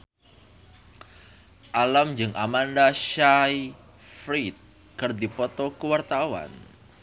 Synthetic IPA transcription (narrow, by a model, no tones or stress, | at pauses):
ʔalamd͡ʒɨŋʔamandaʃaj | fɾit̪̚ | kɨrd̪ipɔt̪ɔkuwart̪awa̰n